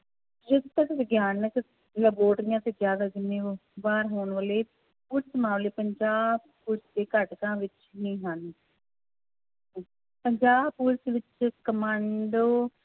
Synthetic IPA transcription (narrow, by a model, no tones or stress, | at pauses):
d͡ʒɪd̪t̪əkʋəɡjaːnək | ləboːʈɾɪjãːt̪eːzjaːd̪aːd͡ʒɪmːeːʋaːɾɦoːɳʋəːleː | puɾsmãːleːpəɲd͡ʒaːbpuːɾsd̪eːkəʈkãːʋɪt͡ʃ | nĩːɦən | pəɲd͡ʒaːbpuːɾsʋɪt͡ʃkəmãːɳɖoː